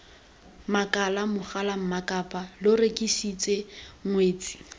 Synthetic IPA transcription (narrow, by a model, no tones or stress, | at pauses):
makalamʊχalam̩makʼapʼalʊrekʼisit͡sʼeŋweːt͡sʼi̥